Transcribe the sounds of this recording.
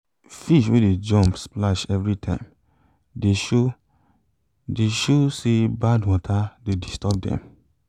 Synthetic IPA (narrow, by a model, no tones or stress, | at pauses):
fiʃweded͡ʒɔ̃mpsplaʃɛvɹitʰãɪ̃m | deʃo | deʃosebadwɔtʰadedistɔb̚dɛ̰̃m